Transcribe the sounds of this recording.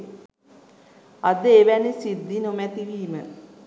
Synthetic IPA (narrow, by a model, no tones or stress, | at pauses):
ɐd̪əeʋænisid̪ːinomɛt̪iʋiːmə